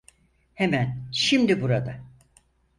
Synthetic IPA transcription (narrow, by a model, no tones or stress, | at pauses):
hemænʃimd̪ibuɾad̪a